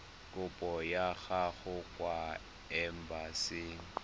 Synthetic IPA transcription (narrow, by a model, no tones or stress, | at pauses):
kʼʊpʼɔjaɣaɣʊkʼwa | ɛm̩basɪŋ̩